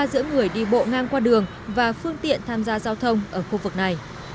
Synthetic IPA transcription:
zɨ̰˧˥əŋɨ˨˩əjɗḭ˧˨˩ɓo̰˧˨ŋaː˧ŋkwaː˧ɗɨ˨˩əŋ | vaː˨˩fɨ˧əŋt̪ḭ˧˨ənt̪ʰaː˧mzaː˧zaː˧wt̪ʰə˧wŋ͡mʔəː˧˩xu˧vɨ˨˩k̚na˨˩j

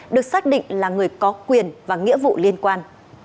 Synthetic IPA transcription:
ɗɨ˨˩ək̚saː˦˥k̚ɗḭ˧˨ŋ̟laː˨˩ŋɨ˨˩əjkɔ˨˦kwi˨˩ənvaː˨˩ŋḭ˧˥vṵ˧˨li˧ənkwaː˧n

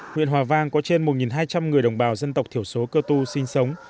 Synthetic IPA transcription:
ŋwḭ˧ənhwaː˨˩vaː˧ŋkɔ˨˦t͡ɕe˧nmo˨˩t̚ŋi˨˩nɦaː˧jt͡ɕa˧mŋɨ˨˩əjɗə˨˩wŋ͡mɓaː˨˩wzə˧nt̪ə˨˩k͡p̚t̪ʰi˧˩əwso˨˦kəː˧t̪u˧sï˧ŋ̟sə˨˦wŋ͡m

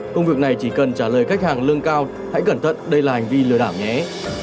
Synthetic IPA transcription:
kʊ˧ŋ͡mvɨ˨˩ək̚na˨˩jt͡ɕi˧˩kə˨˩nt͡ɕaː˧˩ləː˨˩jxa˦˥k̟̚haː˨˩ŋlɨ˧əŋkaː˧w | ha̰˧˥jkə˧˩nt̪ʰə̰˧˨t̚ɗə˧jlaː˨˩ha˨˩ŋ̟vi˧lɨ˨˧əɗaː˧˩wɲɛ˨˦

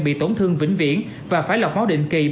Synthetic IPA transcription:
ɓḭ˧˨t̪o˧˩nt̪ʰɨ˧əŋvï˧˥ŋ̟vḭ˧˥ən | vaː˨˩faː˨˦jla˨˩wk͡p̚ɓaː˨˦wɗḭ˧˨ŋ̟ki˨˩

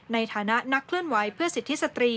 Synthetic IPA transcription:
na˧jt̪ʰaː˩˦na˦˥na˦˥kʰlɯ˥˩ənwa˩˦jpʰɯ˥˩ɐsi˨˩t̪ʰːi˦˥sa˧t̪ɾiː˧

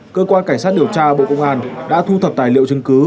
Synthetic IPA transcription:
kəː˧kwaː˧nka˧˩ŋ̟saː˦˥t̚ɗi˨˩əwt͡ɕaː˧ʔə˧˩ɓo̰˧˨kə̰˧wŋ͡mʔaː˧nɗa̰ː˧˥t̪ʰu˧t̪ʰə˨˩p̚t̪aː˨˩jlḭ˧˨əwt͡ɕɨ˧ŋkɨ˨˦

